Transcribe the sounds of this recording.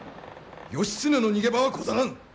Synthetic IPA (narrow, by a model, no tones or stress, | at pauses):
joɕi̥s͈ɯnɯnoɲiɡebawakodaɾan